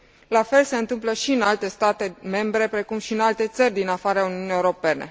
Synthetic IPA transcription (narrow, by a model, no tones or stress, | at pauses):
lafe̞lse̞ɨnt̪ɨmpləʃiɨnalt̪e̞st̪at̪e̞me̞mbɾe̞pɾe̞kumʃiɨnalt̪e̞t̪sərʲd̪inafaɾeauniunie̞uɾo̞pe̞ne̞̰